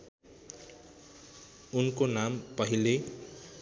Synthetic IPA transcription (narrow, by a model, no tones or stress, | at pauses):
unkonampʌɦile